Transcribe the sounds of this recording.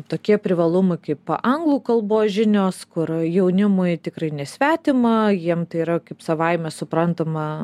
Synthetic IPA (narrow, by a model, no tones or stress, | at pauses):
t̪oːkʲiɛpʲɾʲɪʋɐlˠʊmɐɪkɐɪppɐʔɐŋɡlˠuːkɐlˠboːsʒʲɪnʲoːskʊɾjɛʊnʲɪmʊɪt̪ʲɪkrɐɪnʲɛsʲʋʲæːt̪ʲɪmɐjiɛmt̪ɐɪiːɾɐkɐɪpsɐʋɐɪmʲɛsʊpɾɐnt̪ɐmɐ